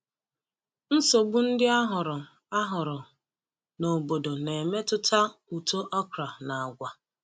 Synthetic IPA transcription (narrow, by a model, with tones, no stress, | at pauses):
n̩˦so˨ɡ͡bu˦n̩˦dɪ˦a˦ɦʊ˨ɾʊ˨ | a˦ɦʊ˨ɾʊ˨ | no˨bo˨do˨ne˨me˦tʊ˦tʰa˦u˨to˦ʔɔ˦kɾa˨na˨a˨ɡʷa˦